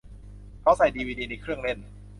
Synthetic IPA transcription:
kʰa˦˥wsa˨˩jdiː˧wiː˧diː˧na˧kʰɾɯ˥˩əŋle˥˩n

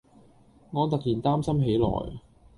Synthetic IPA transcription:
ŋɔː˨˧t̪ɐ˨k̚jiː˨˩nt̪aː˥msɐ˥mɦe˨˥jlɔ̰ː˨˩j

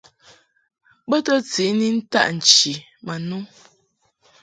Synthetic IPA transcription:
bə˦tə˦t͡si˨˦ni˦n̩˦ta̰˦ʔn̩˨t͡ʃi˨ | ma˨nu˦

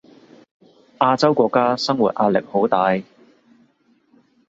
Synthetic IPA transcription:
ʔaː˧t͡sɐ˥wkʷɔː˧kːaː˥sɐ˥ŋwṵ˨t̚ʔaː˧t̚lɪ̰˨k̚ho˨˥wt̪aː˨˧j

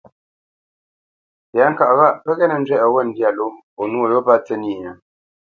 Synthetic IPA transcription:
pja˨˦ŋ̩˨ka˦˨ʔɣa˦ʔpə˦ɣɛ˦nə˨n̩˦d͡ʒwɛ˦ʔə˨wɛ˦˨n˦dja˦˨lo˦ | o˨nu˦o˦˨jo˦pa˦t͡sɛ˦ni˦˨ɲa˨

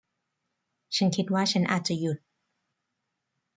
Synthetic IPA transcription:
t͡ɕʰa˦˥nkʰi˦˥t̪̚waː˥˩t͡ɕʰa˦˥nʔaː˨˩t̪̚t͡ɕa˨˩ju˨˩t̪̚

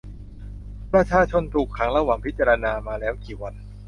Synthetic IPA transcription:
pɾa˧t͡ɕʰaː˧t͡ɕʰo˧nt̪ʰuː˨˩kʰːa˩˦ŋɾa˧waː˨˩ŋpʰi˦˥t̪̚t͡ɕaː˧ɾa˧naː˧maː˧lɛː˦˥wkiː˨˩wa˧n

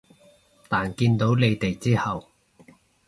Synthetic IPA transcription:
t̪aː˨nkiː˧nt̪o˨˥wle˨˧jt̪e˨jt͡siː˥hɐ˨w

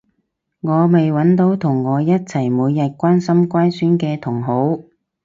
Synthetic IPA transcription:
ŋɔː˨˧me˨jwɐ˨˥nt̪o˨˥wt̪ʰʊ˨˩ŋːɔː˨˧jɐ˥t̚t͡sʰɐ˨˩jmuː˨˧jːɐ˨t̚kʷaː˥nsɐ˥mkʷaː˥nsyː˥nkɛː˧t̪ʰʊ˨˩ŋɦo˨˥w

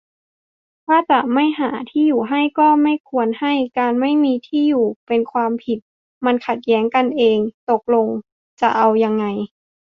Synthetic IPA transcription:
t̪ʰaː˥˩t͡ɕa˨˩ma˥˩jɦaː˩˦t̪ʰiː˥˩juː˨˩ɦa˥˩jkɔː˥˩ma˥˩jkʰu˧ənha˥˩jkaː˧nma˥˩jmiː˧t̪ʰiː˥˩juː˨˩pe˧nkʰwaː˧mpʰi˨˩t̪̚ | ma˧nkʰa˨˩t̪̚jɛː˦˥ŋka˧nʔeː˧ŋt̪o˨˩k̚lo˧ŋ | t͡ɕa˨˩ʔa˧wja˧ŋːa˧j

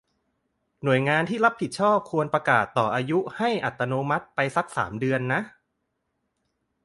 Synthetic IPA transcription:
nu˨˩əjŋaː˧nt̪ʰiː˥˩la˦˥p̚hi˨˩t̪̚t͡ɕʰɔː˥˩p̚kʰu˧ənpɾa˧kaː˨˩t̪ːɔː˨˩ʔaː˧ju˦˥ha˥˩jʔa˨˩t̪ːa˧noː˧˥ma˦˥t̪̚pa˧jsa˦˥k̚sa̰ː˩˦mdɯ˧ənːa˦˥ʔ

